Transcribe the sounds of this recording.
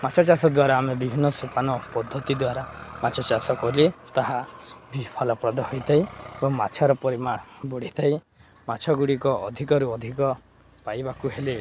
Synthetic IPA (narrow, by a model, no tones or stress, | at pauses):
mat͡ʃʰɔt͡ʃasɔd̪waɾaːmebibʱinːɔsupanɔpɔd̪ʱːɔt̪id̪waɾamat͡ʃʰɔt͡ʃasɔkɔlit̪aɦabipʰɔlɔpɾɔd̪ɔɦojt̪ʰajebɔŋmat͡ʃʰɔɾɔpɔɾimaɽ̃ɔbuɽ̤it̪ʰaj | mat͡ʃʰɔɡuɽikɔʔɔd̪ʱikɔɾuɔd̪ʱikɔ | pajbakuɦeli